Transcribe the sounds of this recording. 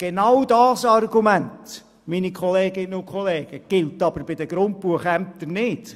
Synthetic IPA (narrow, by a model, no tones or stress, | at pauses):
ɡ̥enawdɑːsɑrɡumænt | minikʰχɔleːɡɪnəʊkʰχɔleːɡ̥əɡ̥ɪltɑb̥əɾbɪd̪əɡ̥ɾʊnt̚pbuəχæmp̚t̪əɾnɪt